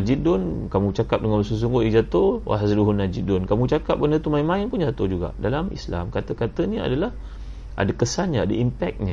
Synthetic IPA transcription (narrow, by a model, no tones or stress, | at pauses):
ad͡ʒidʊnkamũt͡ʃakap̚dəŋanbəsəs̬uŋɡʊid͡ʒat̪owa̰ɦasduɦunːad͡ʒidʊnkamũt͡ʃakap̚bənət̪umainmãinpund͡ʒat̪od͡ʒuɡa̰ʔdalamʔḭsla̰mkat̪əkat̪ənia̰dalah | ʔa̰dakəsanɲaadaʔimpɛk̚ɲa